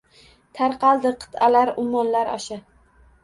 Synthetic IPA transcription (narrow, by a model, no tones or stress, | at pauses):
t̪ʰaɾqʰɑlˠd̪ɪqʰɨ̥t̪ʰalaɾʊmːɒnlaɾɒ̰ʃa